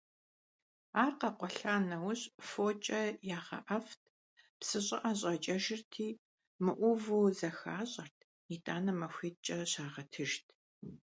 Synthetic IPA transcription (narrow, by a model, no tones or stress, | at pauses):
aːrqɐqʷɔɬaːnɐwɕʼfoːt͡ʃʼɐjaːʁɐ̰ʔɐft̚ʰ | psɨɕʼɪʔɐɕ̬ʼɐt͡ʃʼɐʒɪrtʰiː | mɨʔʷʊvuzɐxaːɕʼɐrtʰ | itʼaːnɐmɐxʷit͡ʃʼɐɕaːʁɐtʰɨʒtʰ